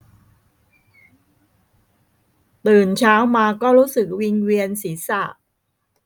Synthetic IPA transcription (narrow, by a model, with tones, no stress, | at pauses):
t̪ɯː˨˩nt͡ɕʰaː˦˥wmaː˧kɔː˥˩ɾuː˦˥sɯ˨˩k̚wi˧ŋwi˧ənsi˩˦sa˨˩ʔ